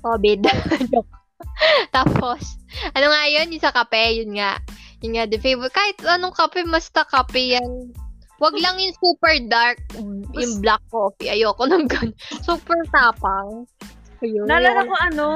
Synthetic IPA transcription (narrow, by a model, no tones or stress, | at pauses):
ʔoːbɪd̪jo | t̪aːpo̞sʔɐnoŋaʔjo̞njʊŋsɐkɐpɛjʊnŋaʔjʊnŋad̪ɛfejbɛkaːhɪt̪ɐnoŋkɐpɛmɐst̪ɐkɐpɪjan | wɐɡlɐŋjʊŋsuːpɛɹd̪aɹk̚jʊŋblak̚ːoːfiʔɐjoːkonɐŋɡɐnsuːpɛɹt̪aːpɐŋ | jonalanɐkoɐno